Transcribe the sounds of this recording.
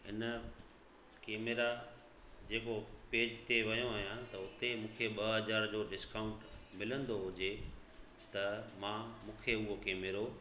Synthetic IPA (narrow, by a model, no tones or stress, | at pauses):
ɪnə | keːmeɾa | d͡ʑeːkopeːd͡ʑt̪ʰeʋɐjõaːɦijãt̪ɐʊt̪emũːkʰeɓɐɦɐzaːɾd͡ʑoːɖɪskaːʊ̃ɳʈmɪlə̃nd̪oɦʊd͡ʑe | t̪ɐmãːmũːkʰeʊɦokeːmeɾo